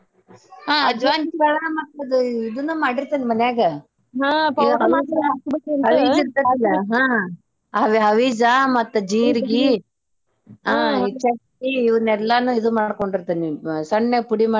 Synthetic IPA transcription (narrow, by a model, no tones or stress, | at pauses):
ɦaːɐd͡ʒʋaːnt͡ʃ̪iɡɐɭamɐt̪ːud̪uid̪unːumaːɽiɾt̪animɐnɛjaːɡɐ | ɦaːiɐnɐma | nɐʋid͡ʒiɾt̪ɐt̪ːilːɐɦaː | ɐʋɦɐʋid͡ʒamɐt̪ːud͡ʒiːɾɡi | aːit͡ʃekː | iiʋɐnɛlːɐnuid̪umaːɽkoɳɖiɾt̪ɐnisɐɳːepuɽimaː